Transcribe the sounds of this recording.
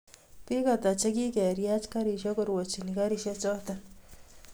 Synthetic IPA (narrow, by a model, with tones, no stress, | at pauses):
pi˦ka˨t̪a˨t͡ʃe˦ki˦kɛ˨ɾja˦t͡ʃka˦ɾi˨ʃɔ˦ko˨ɾwo˨t͡ʃi˨ni˨ka˦ɾi˨ʃɔ˦t͡ʃɔ˦t̪a